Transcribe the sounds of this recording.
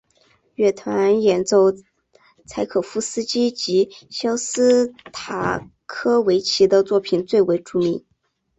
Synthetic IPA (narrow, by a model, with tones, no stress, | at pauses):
ɥɛ˥˩t̪ʰwa˧˥˦njɛ˨˩nt͡so˥˩ʊ | t͡sʰa˧˥ɪkʰɤ˨˩fu˥sɹ̩˥t͡ɕi˥t͡ɕi˧˥ɕjɑ˥ʊsɹ̩˥t̪ʰa˨˩ | kʰɤ˥we˧˥ɪt͡ɕʰi˧˥d̪ə˧t͡swɔ˥˩pʰi˨˩nt͡swe˥˩ɪwe˧˥ɪʈ͡ʂu˥˩mi˧˥ŋ